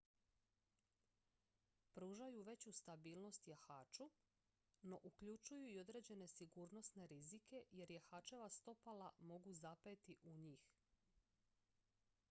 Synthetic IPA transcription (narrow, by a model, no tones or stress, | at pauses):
pɾuːʒajuʋe̞t͡ɕust̪abiːlˠno̞st̪jaxaːt͡ʃu | no̞ʔukʎut͡ʃujuio̞d̪ɾe̞ːd͡ʑe̞ne̞siɡuːɾno̞sne̞ɾizike̞je̞ɾjaxaːt͡ʃe̞ʋast̪o̞palamo̞ɡuzapet̪iʔuɲiːx